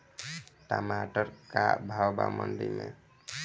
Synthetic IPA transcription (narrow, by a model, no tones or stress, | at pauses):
ʈamaʈɔɾkaʔbʱawbamənɖijme